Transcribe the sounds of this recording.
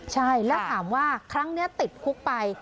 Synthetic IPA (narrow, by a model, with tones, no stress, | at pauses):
t͡ɕʰa˥˩jlɛː˦˥t̪ʰaː˩˦mwaː˥˩kʰɾa˦˥ŋni˦˥ɐt̪i˨˩t̪̚kʰu˦˥k̚pa˧j